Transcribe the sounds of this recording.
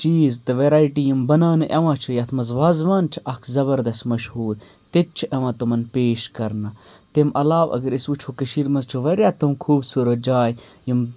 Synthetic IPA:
t͡ʃiːzt̪ɨʋeɾaːjʈiːjimbɐnaːnɨʔɐʋãːt͡ʃʰujɐt̪ʰmɐzʋaːzʋaːnt͡ʃʰiʔɐkʰzɐbɐɾd̪ɐst̪mɐʃhuːɾ | t̪et̪̚t͡ʃʰuʔɐʋãːt̪umɐnpeːʃkɐɾnɐt̪emɐlaːʋɐ̰ɡɐɾisut͡ʃʰokɐʃiːɾmɐzt͡ʃʰuʋɐɾjaːt̪umkʰuːbsuːɾɐt̪̚d͡ʒaːjjim

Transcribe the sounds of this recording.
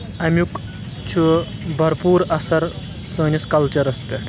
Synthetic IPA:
ɐmʲjuk | t͡ʃʰubʱɐɾpuːɾɐsɐɾ | səːnʲiskɐlt͡ʃɐɾɐspeʈʰ

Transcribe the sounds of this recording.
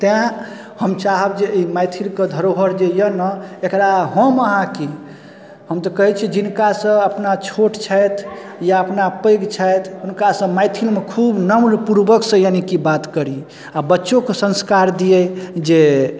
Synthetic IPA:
t̪jã | həmt͡ʃaɦəbd͡ʒeimajt̪ʰilked̪ʱəɾoɦəɾd͡ʒejənəekɾaɦə̃məɦãki | həmt̪əkəɦit͡ʃʰid͡ʒinkasə̃əpnat͡ʃʰoʈt͡ʃʰajt̪ʰ | jaəpnapəjɡt͡ʃʰajt̪ʰunkasə̃majt̪ʰilmekʰubnəmnpuɾbəksə̃janikibat̪kəɾi | abətːʃokesə̃nskaɾd̪ijɛd͡ʒe

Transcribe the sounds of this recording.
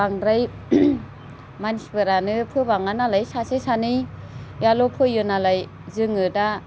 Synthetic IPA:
aŋɾaj | mansbɯɾanɯpʰɯbaŋanalajsasesanɯj | jalɔpʰɯjɯnalaj | zɯŋɯda

